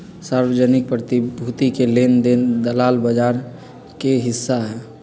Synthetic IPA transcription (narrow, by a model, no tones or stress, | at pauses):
saɾwəd͡ʒənɪk̚pɾət̪ibʱut̪ikelend̪end̪əlaːlbəd͡ʒaɾ | keɦɪsːaɦɛ